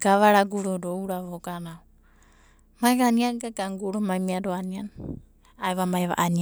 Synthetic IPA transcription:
ɡ̥aβaɾaɡuɾoɾouɾaβoɡanau | majβaniaɡaɡaŋɡuɾomajmiaɾoanian | ajβamajβa̰ʔania

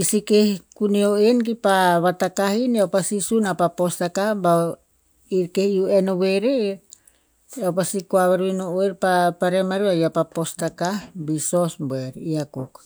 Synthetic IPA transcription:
isikehkunioenk̬ipaβat̪akahiniawpasisunapapost̪akaba | iɾkehiuenoweɾe | awpasikoaβaɾinooiɾpapaɾemaɾiβajapapost̪akahbisosbeɾiakok

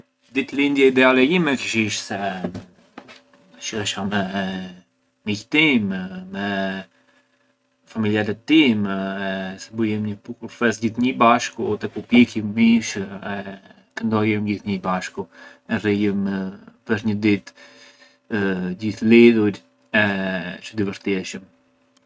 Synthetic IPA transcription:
d̪it̪lind̪jɛid̪ɛalɛimɛkəʃiʃsɛ | ʃɾɛʃamɛ | mict̪immɛ | familjalɛt̪ːimɛsɛbujɛmɲəpukuɾfɛsɟiθɲəbaʃkuɔt̪ɛkupjɛkəmmiʃɛ | kənd̪ɔjɛmd͡ʑiθɲəbaʃku | ɛrijəmpəʃɲəd̪it̪ | d͡ʑiθliðuɾ | ɛt͡ʃəd̪ivəɾt̪jɛʃəm

